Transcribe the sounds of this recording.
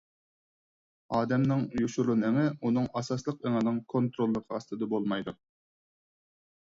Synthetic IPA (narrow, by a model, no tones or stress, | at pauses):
ɑːd̪ɛmnɪŋjuʃuɾlɨnɨŋɨunɨŋɑsɑslˠəq̚eŋɨnɨŋkʰont̪ɾolˠːəqʰəɑst̪ɨd̪ɨbolˠmɑjd̪u